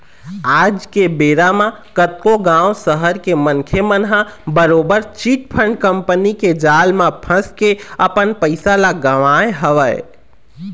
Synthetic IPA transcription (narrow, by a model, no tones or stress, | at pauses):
ad͡ʒkebeɾamakət̪koɡãusəɦəɾkemənkʰemənɦabəɾobəɾt͡ʃiʈ̚pʰəɳɖkəmpəniked͡ʒalmapʰə̃skeəpənpəɪsalaɡəʋaeɦəʋəj